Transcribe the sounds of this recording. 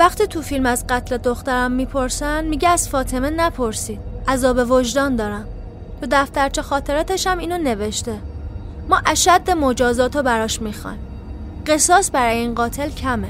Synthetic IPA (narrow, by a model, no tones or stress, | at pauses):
væxt̪ʰiːt̪ʰufilmæzɢæt̪ʰle̞d̪oxt̪æɾæmːiːpʰoɾsænd̪miɟeæz̥fɒːt̪ʰe̞menæpʰoɾsiːd̪̥ʔæzɒːbe̞vo̞ʒd̪ɒːnd̪ɒːɾæm | t̪ʰod̪æft̪æɾt͡ʃʰexɒːt̪ʰe̞ɾɒːt̪ʰe̞ʃæmiːnone̞veʃt̪e̞ | mɒːʔæʃæd̪ːemo̞d͡ʒɒːzɒːt̪ʰobæɾɒːʃmixɒ̰nm | ɢ̥e̞sɒːsbæɾɒːjeiːnɢɒːt̪ʰe̞lcʰæme